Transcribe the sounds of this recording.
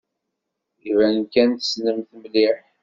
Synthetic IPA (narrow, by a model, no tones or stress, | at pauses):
ivænkænt̪snəmθmliħ